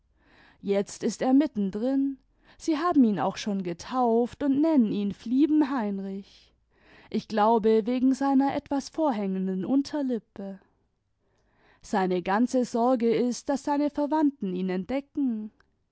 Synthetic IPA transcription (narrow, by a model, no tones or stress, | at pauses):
jɛt͡stɪsteːɐmɪtn̩dʁɪn | z̥iːɦaːbm̩iːna̰ʊxʃoːnɡətʰaʊftʊntnɛnəniːnfliːbm̩ɦaɪnʁɪç | ʔɪçɡ̥laʊbəveːɡŋ̩zaɪnɐʔɛtv̥asfoːɐɦɛŋəndn̩ʔʊntʰɐlɪpə | z̥aɪnəɡant͡səzɔɐɡəɪst̚d̥asz̥aɪnəfɛɐvantn̩iːnɛnt̚d̥ɛkŋ̩